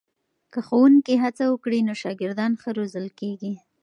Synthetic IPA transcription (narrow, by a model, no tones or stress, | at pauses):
kəxowuŋkiɦat͡sawəkɽinoʃɑɡɪɾd̪ɑnxəɾozəlkeɡi